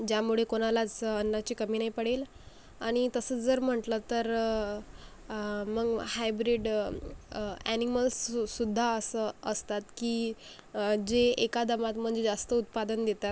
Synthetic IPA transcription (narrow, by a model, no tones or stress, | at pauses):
d͡ʑjamuɭ̤ekoɽ̃alat͡sənːat͡ɕiːkəmiːnaipəɽ̤el | aɽ̃it̪əsət͡sd͡zəɾm̤əʈlət̪əɾ | məɡhajbɾiɖ | æniməlsːud̪ʱːaəsəəst̪at̪kiː | d͡ʑeekad̪əmat̪m̤əɳd͡zed͡zast̪əut̪̚pad̪ənd̪et̪a